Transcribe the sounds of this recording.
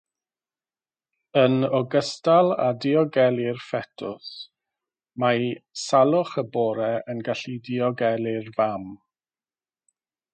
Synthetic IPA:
ənɔɡəstalˠa̰diɔɡɛlˠɪrfɛtʰʊs | majsalˠʊχəbɔːɾɛʔənɡaɬidiɔɡɛlˠɪrvam

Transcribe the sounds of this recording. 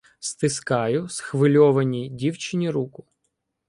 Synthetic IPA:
st̪ɪskɑjʊsxʋɪlʲɔʋɐnʲidʲiwt͡ʃɪnʲiɾukʊ̥

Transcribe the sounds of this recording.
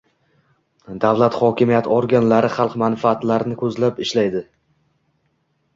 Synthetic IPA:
d̪avlˠat̪χɒkʲɪmijat̪ʰɒɾɡʲanlaɾɪχɑlˠqmanfaːt̪laɾɪnɪkʰɵzlapɪʃlajd̪ɪ

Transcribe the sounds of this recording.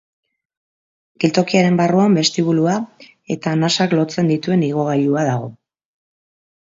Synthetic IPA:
ɡilt̪o̞kiaɾe̞mbaruambe̞st̪iβ̞ulua | e̞t̪aːnasaklo̞t͡se̞nd̪it̪ue̞niɣ̞o̞ɣajuaðaɣo̞

